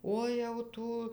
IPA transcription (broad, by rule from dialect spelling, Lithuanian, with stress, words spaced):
ˈoː jɛʊ ˈtuː